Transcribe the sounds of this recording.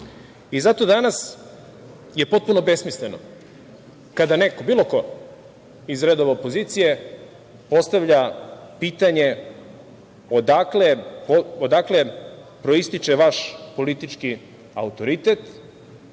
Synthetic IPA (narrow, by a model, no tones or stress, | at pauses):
izat̪o̞d̪anas | je̞po̞t̪̚puno̞be̞smisleno̰ | kad̪ane̞kobiːlˠo̞ko̞ | izɾe̞d̪o̞ʋeopozit̪sije̞ | po̞st̪aʋʎapiːt̪aɲe̞ | od̪aklepood̪akle̞pɾo̞ist̪it͡ʃeʋaʃpo̞lit̪it͡ʃki | a̰ut̪o̞ɾit̪et̪